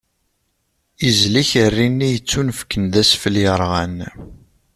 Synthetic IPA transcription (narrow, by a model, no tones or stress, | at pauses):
izliçərːinːijət͡sːunfkːənðæsfəljəɾˤʁæn